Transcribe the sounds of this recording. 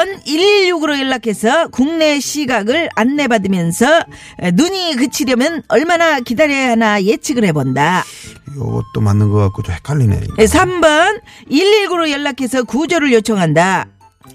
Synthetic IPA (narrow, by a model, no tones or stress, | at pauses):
ʌniʎːuɡɯɾojʌɭːakʰesʰʌkuŋne̞ɕʰiɡaɡɯɭanːe̞badɯmjʌnsʰʌ | enuɲikɯt͡ɕʰidjʌmjʌnʌɭmanakidaɾjʌjaɦanaje̞t͡ɕʰiɡɯɭhe̞bondajʌ̰ɡʌ̰t͈̚omanːɯnɡʌk͈ak͈od͡ʑohekʰaʎːinḛesʰambʌniʎiɡuɾojʌɭːakʰe̞sʰʌkud͡ʑʌɾɯɭjot͡ɕʰʌŋɦanda